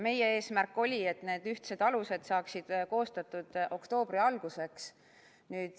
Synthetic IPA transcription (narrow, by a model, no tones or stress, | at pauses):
me̞je̞e̞ːsmærkːˑo̞lʲie̞t̪ːˑne̞ːd̪̥yht̪se̞d̪̥ɑluse̞d̪̥sɑːksid̪̥ko̞ːst̪ɑt̪ːˑud̪̥o̞kt̪o̞ːb̥riɑlɡ̥use̞ks | nyːd̪̥